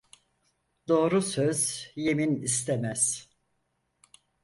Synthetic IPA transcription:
d̪o̞ːɾusøzje̞minist̪ʰemæz̥

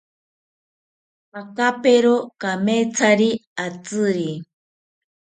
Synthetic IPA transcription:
pakapeɾokamet͡sʰaɾiat͡sɨɾi

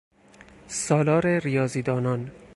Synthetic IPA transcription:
sɒːlɒːɾeɾijɒːziːd̪ɒːnɒn

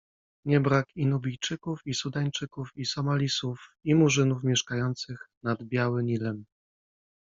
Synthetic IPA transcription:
ɲɛbɾakinubʲijt͡ʂɘkufisud̪aɲt͡ʂɘkufisɔmalʲisufimuʐɘnufmʲjɛʂkajɔnt̪sɘxnad̪bʲjawɘmʲilɛm

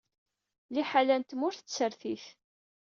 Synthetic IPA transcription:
liħalænt̪mʊɾθət͡sːəɾθiθ

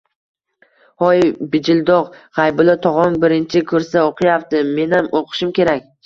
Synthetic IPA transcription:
hɒjbɪd͡ʒɪld̪ɒʁʁajbʊlˠat̪ʰɒʁɒnbɪɾɪnt͡ʃʰɪkʰɵɾsaoqʰɨjapt̪ɪme̞namoqʰɨ̥ʃɪmkʲe̞ɾakʲ

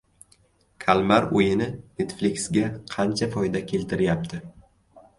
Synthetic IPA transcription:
kʲʰalˠmaɾojɪnɪnet̪flɪkʲsɡʲaqʰɑnt͡ʃʰafɒjd̪akʲʰe̞lt̪ʰɪɾɪjap̚t̪ʰɪ

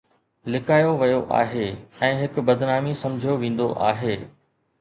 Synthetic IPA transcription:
lɪkaːjoʋɐjoʔa̰ːɦeːɛ̃ːɦɪkʊbɐd̪naːmisɐ̃md͡ʑʱijoʋẽːn̆d̪o̰ʔa̰ːɦeː

